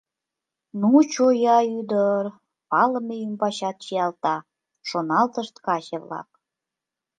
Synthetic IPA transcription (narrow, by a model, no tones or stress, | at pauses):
nut͡ɕojɑyd̪ər | pɑləmejymbɑɕɑt̪̚t͡ɕijɑlt̪ɑ | ʃonɑlt̪əʃt̪kɑʑeβlɑ̰k̚